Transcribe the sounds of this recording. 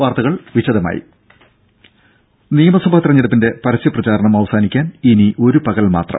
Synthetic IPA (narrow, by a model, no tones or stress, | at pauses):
aːrt̪ɐɣɐɭʋiɕɐðɐma̰ːjḭ | nijɐmɐsubʱaːt̪irɐɲːiɽɐp̬ːinde̞pɐɾɐsjɐprɐt͡ɕaːɾɐɳɐmɐʋɐsaːnikʲːaːniniʔo̞ɾupɐɣɐlma̰ːt̪rɐ̰